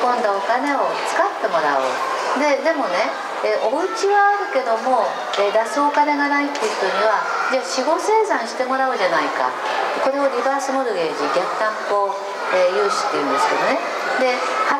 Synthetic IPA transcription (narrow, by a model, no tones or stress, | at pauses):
kõ̞nd̪ao̞kane̞o̞t͡sɨ̥kat̪ːe̞mo̞ɾa̰o̰ | d̪e̞d̪e̞mo̞ne̞ | eʔo̞it͡ɕiβaːɾɯ̟ke̞d̪o̞mo̞ | ed̪asɨo̞kane̞ɡanait̪ːe̞ɯç̥t̪o̞ɲ̟iβ̞ad͡ʑaːɕiɡo̞se̞ːsãɰ̃ɕi̥t̪e̞mo̞ɾaɯ̟ʑanaika̰ | ko̞ɾe̞o̞ɾʲibaːsɨmo̞ɾoɡe̞ːʑiɡʲakɯ̟̥k̪ãŋpo̞ | eːjɯ̟ːɕi̥t̪ːe̞jɯ̟̰̃nd̪e̞sɨ̥ke̞d̪o̞ne̞ | d̪e̞ha